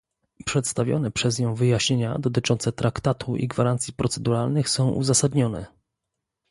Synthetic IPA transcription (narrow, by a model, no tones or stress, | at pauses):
pʂɛt̪st̪avʲjɔ̰nɛpʂɛzɲɔ̃w̃vɘjaɕɲeɲa̰d̪ɔt̪̬ɘt͡ʂɔnt̪sɛt̪ɾakt̪at̪ʰuʔḭɡvaɾant̪sʲipɾɔt̪sɛd̪uɾalnɘxsɔ̃w̃ʔṵzasad̪ɲɔnɛ̰